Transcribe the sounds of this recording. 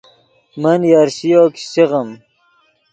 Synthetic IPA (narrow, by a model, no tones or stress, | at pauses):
mɐnjaɾɕijoːksiʁɐm